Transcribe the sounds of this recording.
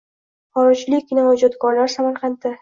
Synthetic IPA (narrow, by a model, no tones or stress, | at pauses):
χɒɾɪd͡ʒlɪkʲnavad͡ʒat̪ɡɒɾlaɾsamaɾqʰɑnt̪ʰɪ